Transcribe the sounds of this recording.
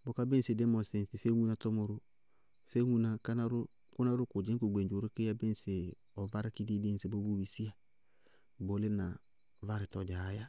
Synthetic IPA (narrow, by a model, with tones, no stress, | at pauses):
bɔ˨ka˦be˦n˨sɪ˨de˦mɔ˨se˨sɪ˨fe˦ŋu˦na˨tɔ˦mɔ˨ɾʊ˦ | fe˦ŋu˦na˨ka˦na˦ɾʊ˦ | kʊ˦na˦ɾʊ˦kʊ˨d͡ʒɪ˦ku˨ɡ͡be˨nd͡ʒo˨ɾʊ˦kɪ˦a˦be˦n˨sɪ˨ | ɔ˨va˦ɾɪ˦ki˦di˦de˦n˨se˨bo˦bu˦wi˨si˦a˦ | bo˨˦lɪ˦na˨ | va˦ɾɪ˨tɔ˨d͡ʒa˨˦ja˦